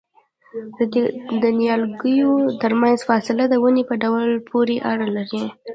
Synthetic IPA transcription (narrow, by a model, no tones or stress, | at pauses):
d̪ənjɑlɡəjot̪əɾmanzfɑsɪlad̪əwənepəɖawlpʰoɾeʔaɽəlaɾi